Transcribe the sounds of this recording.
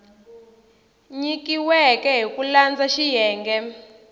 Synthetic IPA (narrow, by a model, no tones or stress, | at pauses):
ɲikiwɛkɛɦikuland͡zaʃijɛːŋɡɛ